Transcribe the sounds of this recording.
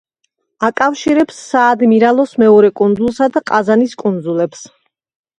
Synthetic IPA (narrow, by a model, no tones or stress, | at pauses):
akʼafʃiɾɛpsːaːd̪miɾalˠɔsmɛɔɾɛkʼund̪zulˠsad̪aqʼazaniskʼund̪zulɛps